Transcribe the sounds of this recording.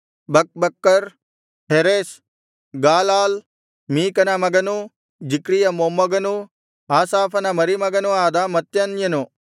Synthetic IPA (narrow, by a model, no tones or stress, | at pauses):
bɐk̚bɐkːɐɾ | ɦeɾeːs | ɡaːlaːl | miːkɐnamɐɡɐnu | d͡ʒikɾijɐmoːmɐɡɐnu | aːsaːfɐnamɐɾimɐɡɐnuaːd̪aːmɐt̪jɐnjɐnoː